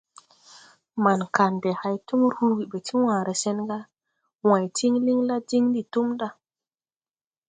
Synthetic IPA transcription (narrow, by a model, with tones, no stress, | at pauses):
ma˨nka˨nde˨ha˨jtu˦m˦ɾhu˦ɡi˨ɓe˨tʰi˦wãː˨ɾʔe˨se˦nɡa˦ | wã˨jti˦ŋli˦ŋla˦di˦ŋdi˨tu˦mda˦